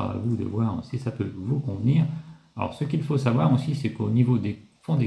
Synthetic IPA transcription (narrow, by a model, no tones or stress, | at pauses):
a̰vud̪ə̰vwaːʁ̰sisapøvukɔ̃vniːʁ | aɔ̰ʁsəkilfosavwaʁosisɛkonivod̪efɔ̃d̪e